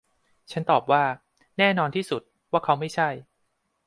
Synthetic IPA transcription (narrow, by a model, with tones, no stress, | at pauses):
t͡ɕʰa˦˥nt̪ɔː˨˩p̚waː˥˩ | nɛː˥˩nɔː˧nt̪ʰiː˥˩su˨˩t̪̚waː˥˩kʰa˦˥wma˥˩jt͡ɕʰa˥˩j